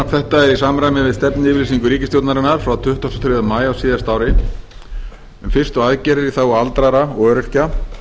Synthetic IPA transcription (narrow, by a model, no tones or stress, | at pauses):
aθɛht̪aɛɾisaːmɾajmɪvɪðst̪ɛpnɪɪvɾisiŋkʏɾiːcɪst̪jowt̪naɾɪnːaɾ̥fɾawt̪ʰʏht̪ɔst̪ɔ̥t̪ʰɾɪðamaːjawsiːðast̪aːwɾɪ | ɛnfɪr̥st̪ʏaðcɛɾɛɾiθawalt̪ɾaɾaɔœœːɾʏr̥ca